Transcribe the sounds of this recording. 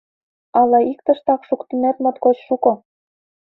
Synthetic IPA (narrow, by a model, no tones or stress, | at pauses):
ɑlɑik̚t̪ɤ̆ʃt̪ɑkʃukt̪inæt̪mŏt̪kot͡ɕʃukŏ